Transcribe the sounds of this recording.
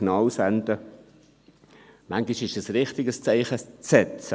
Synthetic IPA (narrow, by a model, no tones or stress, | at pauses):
nɑːwsɛnd̪ə | maŋɡiʃɪʃəsrɪχt̪ɪɡəst͡sɛɪχət͡sɛtt͡s